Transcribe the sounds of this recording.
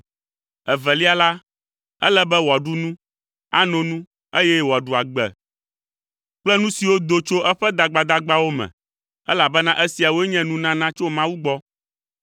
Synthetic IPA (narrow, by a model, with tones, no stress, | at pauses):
ɛ˨vɛ˨li˦a˨la˦ | ɛ̰˦lɛ˦bɛ˦wɔ˨ɖu˦nũ˦ | a˦nɔ̃˨nũ˦ | e˦jɛ˦wa˨ɖu˨a˨ɡ͡bɛ̰˨ | k͡plɛ˦nũ˦si˨wo˦d̪o˦t͡ʃo˦ʔɛ˦ɸɛ˦d̪a˨ɡ͡ba˨d̪a˦ɡ͡ba˦wo˦mɛ̰̃˨ | ɛ̰˦la˨bɛ˦nã˦ʔɛ˦si˨a˨wo˦ɛ˦ɲɛ̃˦nũ˦nã˦nã˦t͡ʃo˦mã˦wu˦ɡ͡bɔ˦